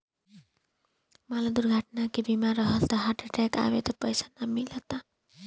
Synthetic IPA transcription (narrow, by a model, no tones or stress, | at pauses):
malad̪uɾɡʱaʈnakibimaɾʌɦʌlt̪ʌɦaʈeʈɛka̰wet̪ʌpʌjsanamilʌt̪a